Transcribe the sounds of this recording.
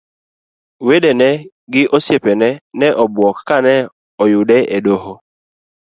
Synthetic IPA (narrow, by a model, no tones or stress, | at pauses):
wedenɛ | ɡɪʔosjepenɛnɛʔɔbwɔkkanɛ | ɔjʊdɛʔedoho